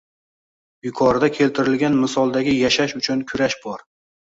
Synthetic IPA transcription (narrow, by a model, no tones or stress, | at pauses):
bɪkʰɒɾd̪akʲʰe̞lt̪ʰɪɾɪlɡʲanmɪsɒlˠd̪aɡʲɪjaʃaʃʊt͡ʃʰʊnkʰʊɾaʃbɒɾ